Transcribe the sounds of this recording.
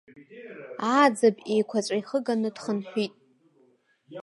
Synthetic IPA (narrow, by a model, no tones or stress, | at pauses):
aːd͡zabejkʷʰat͡ɕʷʼajχəɡanɨdχənħʷᶣitʼ